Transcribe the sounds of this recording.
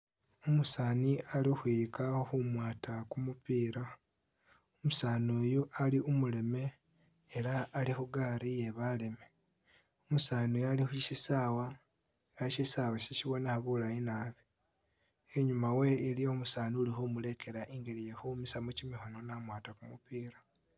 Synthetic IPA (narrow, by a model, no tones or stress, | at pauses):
omusaːnialixwikaxumwaːtakumupiːɾa | omusaːnoːjuʔaliʔumule̞me̞ː | ɾaːlixuɡaːɾije̞βale̞me̞ | omusaːnojalixuiʃisaːwa | eɾaʃisawaʃeʃiβo̞nexaβulainaːβi | eɲumawe̞ːlio̞musaːnuulixomule̞ke̞ɾaʔiŋɡeɾijexumisamucimixononamwaːtakumupiːɾa